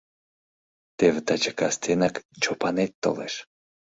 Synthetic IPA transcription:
t̪evt̪at͡ʃəkast̪enakt͡ʃopanet̪ːo̰leʃ

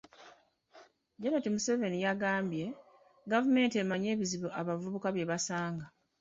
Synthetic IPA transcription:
ɟeɾatimuse̞ve̞nijaɡaːmbje̞ | ɡavume̞ːntie̞maɲe̞ːβiziβuʔaβavuβukaβje̞βasaːŋɡa

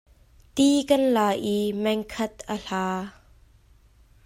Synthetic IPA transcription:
t̪ikɐnlaːʔimɛŋkʰɐt̪̚ʔəɬaː

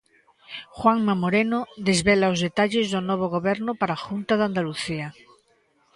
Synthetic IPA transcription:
xwaŋmamoɾenoðezβelaozðet̪aʎezðonɔβ̞oɣ̞oβɛɾnʊpaɾaːxunt̪aðand̪aluθia

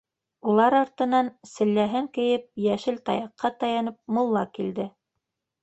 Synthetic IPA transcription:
ulˠɑɾɑɾt̪ɤ̆nɑnsɘ̆lːæɦɘŋkɘ̆jɘp̚jæʃɘlt̪ɑ̰jɑqʰːɑt̪ɑjɑnɤp̚mŭlˠːɑkild̪ɘ

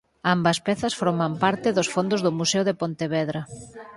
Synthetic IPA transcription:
ambɐspɛθɐsfoɾmampaɾt̪ɪðosfond̪ʊzðʊmuseʊðepont̪eβɛðɾa

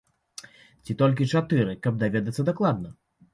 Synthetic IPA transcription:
t͡sʲit̪ɔlʲk̬ʲit͡ʂat̪ɨɾɨkɐb̚d̪avʲɛd̪ɐt̪sːɐd̪aklˠad̪̚nɐ

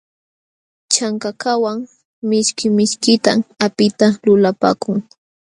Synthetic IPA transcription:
t͡ʃaŋkakawaŋ | mɪʃkɪmɪʃkɪt̪aapɪt̪alʊlapa̰ːkʊŋ

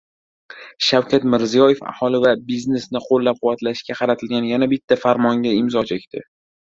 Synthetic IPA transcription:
ʃawkʲʰat̪mɪɾzijɒjefa̰hɒlˠɪvabizne̞snɪqʰolːap̚qʰʊwːat̪laʃkʲaqʰɑɾat̪ʰɪlɡʲanjanabɪt̪ʰːafaɾmɒŋɡʲaɪmzɒt͡ʃʰe̞kʲt̪ʰɪ

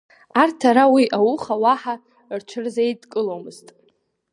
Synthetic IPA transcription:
artʰaɾawiʔawuχawaħa | rt͡ʃʷʰɨrzejdkʼɨlomɨztʼ

